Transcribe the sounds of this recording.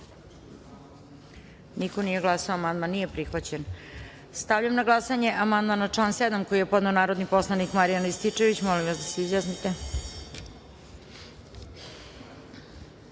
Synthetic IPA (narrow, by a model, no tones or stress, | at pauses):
niko̞nije̞ɡlˠasaoamand̪manːije̞pɾixʋat͡ɕen | st̪aʋʎamnaɡlˠasaɲe̞ʔamand̪manat͡ʂansed̪amko̞ije̞po̞d̪neonaːɾo̞d̪nipo̞slˠanikmaɾijanlist̪it͡ʂe̞ʋit͡ɕmo̞limʋasd̪aseizjaːsnit̪e̞